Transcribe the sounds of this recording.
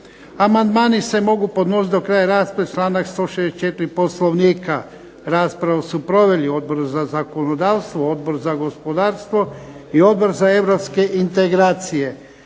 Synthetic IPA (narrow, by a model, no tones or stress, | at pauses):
amand̪maːnise̞mo̞ɡupo̞d̪no̞sit̪d̪o̞kɾaːjaɾaːspɾaʋet͡ʃlˠaːnakst̪o̞ːʃed̪et͡ʃe̞t̪ɪɾipo̞slˠoʋniːka | ɾaːspɾaʋasupɾo̞ʋe̞lio̞d̪̚bo̞ɾzazako̞nod̪aːʋst̪ʋoo̞d̪bo̞ɾzaɡo̞spo̞d̪aːɾst̪ʋo̞ | io̞d̪̚bo̞ɾzae̞ʋɾopske̞ʔint̪e̞ɡɾaːt̪sije̞